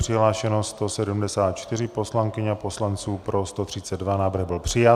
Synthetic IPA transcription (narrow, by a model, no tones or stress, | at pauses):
r̥ɪɦlaːʃɛnost̪o̞sɛdumdɛsaːt̪̚t͡ʃt̪ɪrɪpo̞slaŋkɪɲapo̞slant͡suːpɾo̞st̪ot̪r̝̥ɪt͡sɛdvanaːvr̩ɣbɪlpr̝̥ɪja